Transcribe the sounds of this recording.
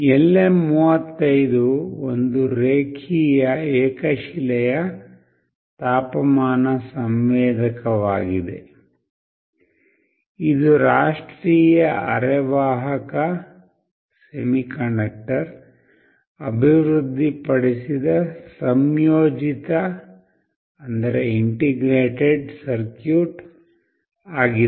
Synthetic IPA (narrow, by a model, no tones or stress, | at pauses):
elːemuːʋɐt̪ːɐjd̪uond̪uɾeːkʰiːjɐɛːkɐʃilɛjɐ | t̪aːpɐmaːnɐsɐmʋɛːd̪ɐkɐʋaːɡid̪e̞̰ | id̪uɾaːʂʈɾiːjɐʔɐ̰ɾɛʋaːɦɐkɐ | semikɐɳɐk̚ʈɐɾ | ɐbʱiʋɾud̪ʱːipɐɽisid̪ɐsɐmjoːd͡ʒit̪ɐ | ɐnd̪ɐɾeiɳʈiɡɾeːʈeɖsɐɾkjuːʈ | aːɡi